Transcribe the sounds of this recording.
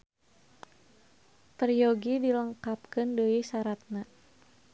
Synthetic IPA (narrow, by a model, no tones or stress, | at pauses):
t̪ərjoɡidiləŋkapkəndəisaɾat̪̚na